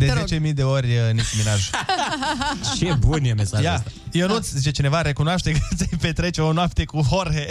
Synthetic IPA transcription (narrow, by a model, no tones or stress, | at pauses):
d̪ezet͡ʃe̞mid̪e̞o̞rʲnikuminaʒ | t͡ʃebunjemesaʒjajewnut̪sʲzit͡ʃe̞t͡ʃine̞vaɾe̞kunoaʃt̪e̞k̪sepe̞t̪ɾet͡ʃeonoap̚t̪e̞kuɦorɦe